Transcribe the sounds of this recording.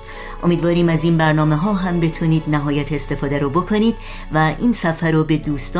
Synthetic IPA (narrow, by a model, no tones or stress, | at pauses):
ʔomiːd̪vɒːɾiːmæziːnbæɾnɒːme̞ɦɒːɦæmbe̞t̪ʰuniːd̪næɦɒːjæt̪ʰeːst̪e̞fɒːd̪æɾoːbo̞kʰoniːd̪̥ | væʔiːnsæfæɾɔːbe̞d̪uːst̪ɒː